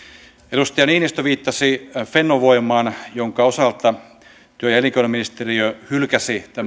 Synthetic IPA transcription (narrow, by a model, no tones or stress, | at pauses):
edust̪ɑjɑniːnist̪oʋiːt̪ːɑsifenːoʋoimɑːnjoŋkɑosɑlt̪ɑ | t̪yøjɑeliŋkonɑminist̪eriøhylkæsit̪æ